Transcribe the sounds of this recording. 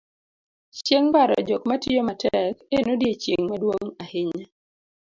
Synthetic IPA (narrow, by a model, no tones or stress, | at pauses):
t͡ʃjeŋbaɾɔ̰d͡ʒokmatɪomatɛkenodjet͡ʃeŋmadwoŋahɪɲa